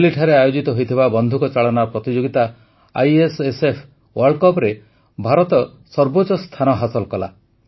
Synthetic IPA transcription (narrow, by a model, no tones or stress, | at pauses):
liʈʰaɾeajod͡ʒit̪ɔɦojt̪ʰibabɔnd̪ʱukɔt͡ʃaɭɔnapɾɔt̪id͡ʒoɡit̪a | a̰jesesepʰ | wɔɾɖkɔpɾe | bʱaɾɔt̪ɔ | sɔɾbot͡ʃɔst̪ʰanɔɦasɔlkɔla̰